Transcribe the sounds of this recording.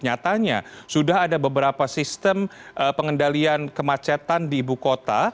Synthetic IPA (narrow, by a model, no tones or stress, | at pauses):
ɲat̪aɲa̰sudaɦadabəbəɾapasist̪əmʔpəŋəndaliankəmat͡ʃat̪andiːbukot̪a̰